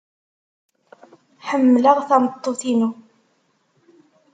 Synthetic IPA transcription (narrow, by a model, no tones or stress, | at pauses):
ħəmːləʁθɑmət̪ˤːoθinu